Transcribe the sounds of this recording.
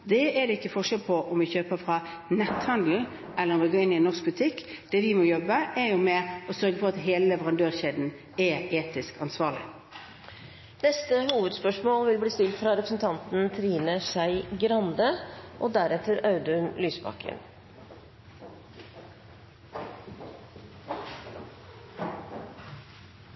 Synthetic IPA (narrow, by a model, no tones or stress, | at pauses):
d̪ɛɛd̪ɛɪkːəfɔʂɛlpʰɔʔɔmʋɪçøːpəfʁɑ | nɛt̪hɑnd̪l̩ | ʔɛlːəʁɔmʋɪɡoːɪnːɪnːɔʁsk̚bʉt̪ʰɪkːd̪̥ɛʋɪmɔjɔbəʔɛɾjʊmɛɔsœɾɡəfɔʁɑt̪ɦeːləlɛʋəʁɑnd̪øːʁçɛd̪n̩ | ɛeːt̪ɪskɑnsʋɑːʁɭɪ̰ | nɛst̪əhuːʋəd̪spœʂmoːlʋɪlbliːst̪ɪlt̪fɾɑɾɛpɾəsn̩t̪ʰɑnt̪n̩t̪ʰɾiːnəsæɪɡɾɑnd̪əʔoːd̪æɾɛt̪əɾɑʉd̪ʉnlyːsbɑ̰kʰə̰n